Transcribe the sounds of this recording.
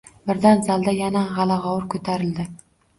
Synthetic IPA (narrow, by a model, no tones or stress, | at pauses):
bɪɾd̪anzald̪ajanaʁɑlaʁɒwʊɾkʰɵt̪ʰaɾɪld̪ɪ